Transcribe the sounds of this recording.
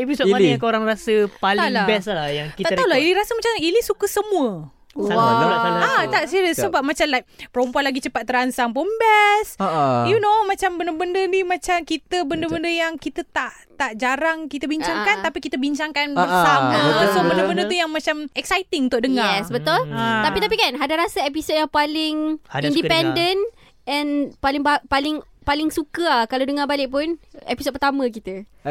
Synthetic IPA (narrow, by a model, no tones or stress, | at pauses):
episot̪maakoɾaŋrasəpaliŋlabɛslahjaŋt̪kit̪aʔ̪aulailiɾasəmat͡ʃamilisukəsəmũə | alasanaat̪aʔsiɾəsəbap̚mat͡ʃamlajk̚pəɾompuanlaɡit͡ʃəpat̪̚ːəɾansaŋp̬umbɛsjunomãt͡ʃambəndəbəndənimãt͡ʃamkit̪əbəndəbəndəjaŋkit̪ət̪aʔ | t̪aʔd͡ʒaɾaŋkit̪əbiɲt͡ʃaŋkant̪apikit̪əbiɲt͡ʃaŋkanbəsamat̪əsobəndəbəndət̪ujaŋmat͡ʃamɛksajt̪ɪŋunt̪ʊʔ̚dəŋaɛsbət̪ɔlt̪apit̪ap̬ikanɦadaɾasaɛp̬isod̚jaŋpalɪŋindipɛndən | ɛ̃npalɪŋbapalɪŋ | palɪŋsukəkaladəŋabalɪʔ̚pʊnɛpis̬od̚pət̪amə̃kit̪ə